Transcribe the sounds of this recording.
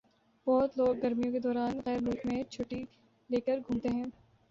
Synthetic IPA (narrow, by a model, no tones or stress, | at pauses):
b̥ɔɦt̪loːɡːɐɾmijõked̪ɔːɾaːnɣɛːɾlʊlkmẽt͡ʃʰʊʈːi | leːkəɾɡʱũːmt̪eɦɛ̃ː